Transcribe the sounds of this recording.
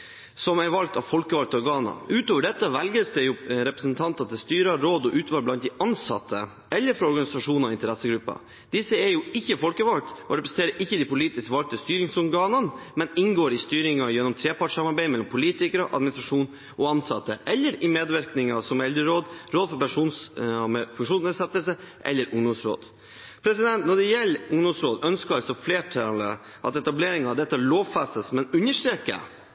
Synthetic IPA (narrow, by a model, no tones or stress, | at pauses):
sɔmæɾʋɑlk̚t̪ɑʋfɔlkəʋɑl̚t̪ɔɾɡɑːnɑ̰ʉːt̪oːʋəɖɛt̪ːəʋɛlɡəsd̪ɛjʊɾɛpɾəsənt̪ʰɑnt̪ɑt̪ʰːɪlst̪yːɾɑɾoːd̪ɔʔʉːt̪ʰʋɑːlblɑnt̪d̪ɛʔɑnsɑ̰t̪ʰːə̰ | ʔɛlːəɾfɾɑɔɾɡɑnɪsɑʂuːnɔɪnt̪əɾɛsːəɡɾʉpːɑ̰ | d̪̥ɪsːəɛɾjʊɪçːəfɔlkəʋɑl̚t̪ʔɔɾɛpɾəsn̩t̪eːɾəɾʔɪçːəd̪ɪpʊliːt̪ɪskʋɑlk̚t̪əst̪yːɾɪŋsɔɾɡɑːnənmɛnɪŋɡoːɾɪst̪yːɾɪŋɑjɛnːɔmt̪ʰɾeːpɑʈsɑmɑɾbæɪmɛlːɔmpʰʊliːt̪ɪkəɾəʔɑd̪mɪnɪsɾɑʂuːn | ʔɔɑnsɑt̪ːəʔɛlːəɾɪmeːd̪ʋæɾknɪŋɑsɔmɛld̪ɾəɾoːd̪ɾoːd̪fɔɾpɛʂuːnsmfʉŋʂuːnsnɛsɛt̪ːəlsəʔɛ̰lːəɾʔʊŋd̪ʊŋsɾo̰ːd̪ | pʰɾɛsɪd̪ɛnt̪nɔɖɛjɛlːʊŋd̪ʊŋsɾoːd̪œnskəlsɔfleːʈʰɑlə | ʔɑ̰t̪ɛt̪ɑbleːɾɪŋɑʋd̪ɛt̪ːəloːʋfɛsəsmɛnʉnːəʂʈ̪ɾeːkə̰